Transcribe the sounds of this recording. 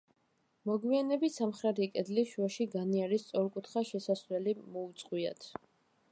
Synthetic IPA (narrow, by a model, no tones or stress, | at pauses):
mɔɡwianɛbisamχɾɛɾikʼɛd̪liʃuaʃiɡaniaɾist̪sʼɔɾkʼut̪ʰχaʃɛsasɾɛlimɔut̪sʼqʼwia̰t̪ʰ